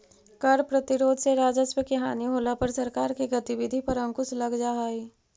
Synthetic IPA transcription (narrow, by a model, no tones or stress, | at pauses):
kɐɾpɾɐt̪ɪɾoːd̪ʱseɾaːd͡ʒəswəkiɦaːniɦoːlapɐɾsɐɾkaːɾkiɡɐt̪iʋɪd̪ʱipɐɾɐ̃ŋkʊslɐɡd͡ʒaɦaːiː